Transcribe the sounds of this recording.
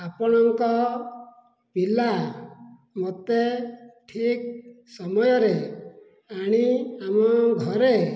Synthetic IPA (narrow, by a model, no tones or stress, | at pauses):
apɔɽ̃ɔŋkɔ | pila | mot̪eʈʰik̚ | sɔmɔjɔɾe | aɽ̃iamɔɡʱɔɾe